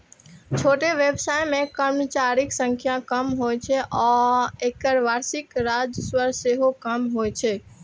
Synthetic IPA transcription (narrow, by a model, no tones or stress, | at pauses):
t͡ʃʰoʈeʋebsajmẽkəɾmət͡ʃaɾiksə̃ŋkʰjakəmɦojt͡ʃʰɛʔɔekəɾʋaɾsikɾad͡ʒəswəɾseɦokəmɦojt͡ʃʰɛ